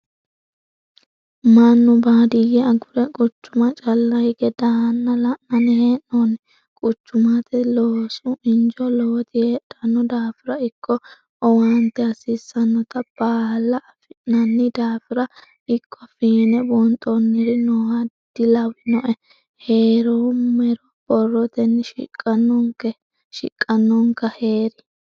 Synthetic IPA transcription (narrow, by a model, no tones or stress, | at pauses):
mɐnːʊbaːd̪ɪjɛɐɡʊɾɛkʼʊt͡ʃːʊmɐt͡ʃʼɐlːɐjɡɛd̪anːɐlɐʔɐnɪheːnːɔnɛ | kʼʊt͡ʃːʊmɐt̪ɛloːsʊɪnd͡ʒɔloːt̪ɪheːᶑɐnːɔd̪aːfɪɾɐɪkʰːɔ | ɔwant̪ːɛɐsiːsːɐnːɔt̪ɐb̥aːlːɐʔːfɪnːɐnːɪd̪aːfɪɾɐ | ɪkːɔfiːnɛbɔnt̪ʼɔnːɪɾɪnɔhɐ | d̪̥ɪlɐwɪnɔʔɛ | heːɾɔmɛɾɔb̥ɔrːɔt̪ɛnːɪʃɪ̰kʼːɐnːɔŋkɛ | ʃɪ̰kʼːɐnːɔŋkːɐheːɾɪ